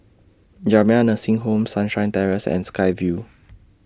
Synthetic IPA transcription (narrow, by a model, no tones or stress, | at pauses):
d͡ʒamɛ̃anəsĩŋɦõmsãnʃãj̃ntɛɹəsɛ̰̃nskajvju